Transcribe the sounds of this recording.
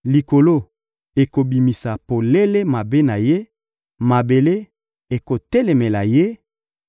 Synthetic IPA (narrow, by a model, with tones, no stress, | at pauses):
li˨ko˨lo˦ | e˨ko˨bi˨mi˨sa˨po˨le˦le˦ma˨be˦na˨je˦ | ma˨be˨le˦ | e˨ko˨tɛ˦le˨me˨la˨je˦